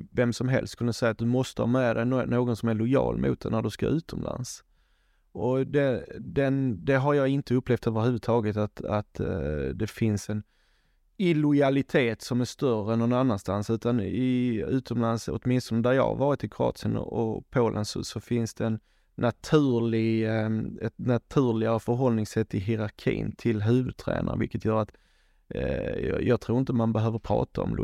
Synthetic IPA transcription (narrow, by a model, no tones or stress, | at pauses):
vɛmsɔmɦɛ̰lst̪kʰɵnːəsɛjːat̪̚d̪ɵmɔst̪əhɑ̰ːmɛd̪ɛnnoːɡɔnsɔmæɭʊjɑ̰ːlmṵːt̪̚d̪ɛ̰næɖɵska̰ɾʉ̟ːt̪ʰɔmlʔa̰ns | ɔd̪ɛd̪ɛnd̪ɛɦaɾjɑːɪnt̪əɵpleːft̪øːvəɾhʉ̟ːvət̪ʰɑːɡət̪at̪a̰t̪d̪ɛfɪnsɛn | ɪlʊjalɪt̪ʰeːt̪sɔmæɾʂt̪œrəɛnːɔnanːanst̪ansʉ̟ːt̪anɪʉ̟ːt̪ʰɔmlansɔ̰t̪mɪnst̪ɔnəd̪æɾjɑ̰ːha̰ɾvɑːɾɪt̪ʰːɪkʰɾʊɑ̰ːt̪sɪənɔ̰ʔɔ̰pʰoːlʔə̰nsɔ̰sɔfɪnsd̪ɛːnː | ʔat̪ʰʉ̟ːlɪɡ | ɛt̪nat̪ʰʉ̟ːlɪafœɾɦɔlnɪŋsɛt̪ːɪɦɪɾaɾkʰḭːnt̪ʰɪlɦʉ̟ːvɵd̪̚t̪ʰɾæ̰ːnʔa̰ɾəvɪ̰kət̪ʰjœːɾat̪ | j̰jɑːt̪ʰɾuːɾɪnt̪əmanbɛɦøːvəɾpʰɾɑ̰ːt̪ʰaɔ̰ml̰